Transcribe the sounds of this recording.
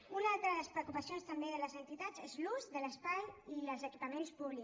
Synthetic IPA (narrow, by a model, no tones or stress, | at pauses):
unalˠt̪ɾəðələspɾəkupasijonst̪əmbeðələzənt̪it̪ad͡zezluzðələspajiləlzəkipəmenspuβli